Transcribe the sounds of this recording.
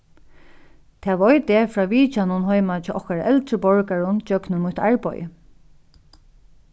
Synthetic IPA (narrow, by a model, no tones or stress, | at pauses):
t̪ʰɛːʋɔjt̪ɛfɹaːʋiːt͡ʃanʊnɦɔjmat͡ʃɛːʔɔhkaɹaʔɛlt̪ɹəpɔɹkaɹʊnt͡ʃœknʊmʊht̪aɹpɔ̰jə̰